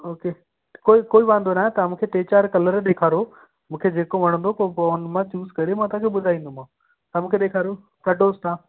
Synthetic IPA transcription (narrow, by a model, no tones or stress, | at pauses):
oːke | koːikoːiʋãːnd̪onaːɦẽt̪ɐɐmũkʰeʈeːt͡ɕaːɾkɐləɾɗ̪eːkʰaːɾo | mũːkʰed͡ʑeːkoʋɐɽ̃ə̃nd̪okopoːnmãt͡ɕuːzkɐɾemãt̪ʊ̃ãkʰeɓʊd̪ʱaːĩːnd̪um̤ãː | t̪ɐɐmũːkʰeɗeːkʰaːɾo | kɐɖoːst̪ʰãː